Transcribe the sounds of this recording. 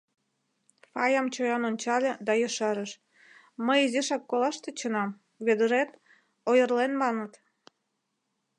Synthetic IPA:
fɑjɑmt͡ɕojɑnonʲt͡ɕɑlʲed̪ɑjəʃɑɾəʃ | məjiziʃɑkːolɑʃt̪et͡ɕənɑm | βed̪əɾet̪ | ojərlenmɑnət̪

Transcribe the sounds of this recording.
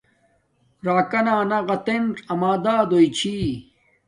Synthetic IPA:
ɾaːkɐnaːnɐʁɐt̪enʈɐmaːd̪aːd̪oit͡ɕʰiː

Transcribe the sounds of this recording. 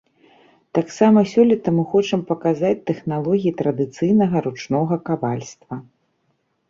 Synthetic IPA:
t̪aksamɐsʲɔlʲit̪ɐmɨxɔt͡ʂɐmpɐkazat͡sʲt̪ɛxnalˠɔɣʲijit̪ɾɐd̪ɨt̪sɨjnɐɣɐɾut͡ʂnɔɣɐkavalʲst̪vɐ

